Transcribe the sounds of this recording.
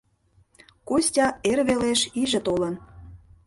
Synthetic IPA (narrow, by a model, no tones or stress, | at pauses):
kosʲtʲɑerβeleʃiʒə̆t̪olən